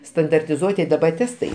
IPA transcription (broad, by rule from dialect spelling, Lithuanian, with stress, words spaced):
stɐndɐrʲtʲɪˈzuɔtʲɪ dɐˈbɐ ˈtʲæːstɐɪ